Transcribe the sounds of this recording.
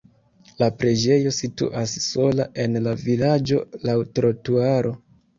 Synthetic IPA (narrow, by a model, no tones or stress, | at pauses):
lapɾe̞d͡ʒe̞jo̞sitṵʔasːo̞laʔe̞nlavilad͡ʒo̞̰lawtɾotuaɾo̞